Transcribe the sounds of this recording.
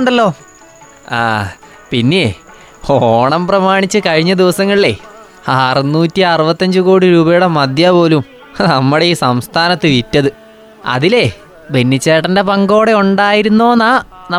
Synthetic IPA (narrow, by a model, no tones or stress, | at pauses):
ɳɖɐlːo̞ː | a̰ː | pinːe̞ | oːɳɐmprɐmaːɳit͡ɕːɨkɐɻiɲːɐd̪iʋɐsɐŋːɐɭile̞ | aːrɨnːuːtːiɐrɨbɐt̪ːɐɲd͡ʑɨko̞ːɽiɾuːbɐjuɽemɐd̪jɐpo̞ːlum | nɐmːuɽeiːsɐmst̪ʰaːnɐt̪ːɨʋitːɐðɨ | ɐ̰ðile̞ | benːit͡ɕːeːʈːɐndepɐŋɡo̞ːɽe̞uɳɖaːjiɾunːo̞ːnaː | nɐ